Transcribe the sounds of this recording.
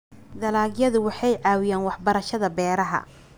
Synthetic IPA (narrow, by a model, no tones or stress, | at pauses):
d̪ɐlaːɡjɐðʊwɑħɑjʕɑːwɪjaːnwɑħbɐɾɐʃɐðɐbɛːɾɐɦɐ̰